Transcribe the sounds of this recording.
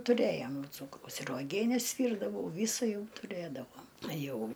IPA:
tʊˈrʲeːjoːm ˈt͡suːkrɐʊs ɪr uɔˈɡʲiɛnʲɛs ˈʋʲiːrdɐʋɐʊ ˈʋʲiːsɐ ˈjɛʊ tʊˈrʲeːdɐʋoːm ˈjɛʊ

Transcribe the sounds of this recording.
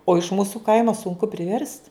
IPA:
oː ɪʃ ˈmuːsʊ ˈkɐɪmoː sʊŋˈkʊ pʲrʲɪˈʋʲɛrst

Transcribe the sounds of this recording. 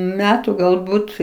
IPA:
ˈmʲæːtʊ ɡɐlˠˈbuːt

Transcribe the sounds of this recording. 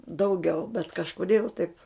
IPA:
dɐʊˈɡʲɛʊ bʲɛt kɐʃkoːˈdʲeːlˠ tɐɪp

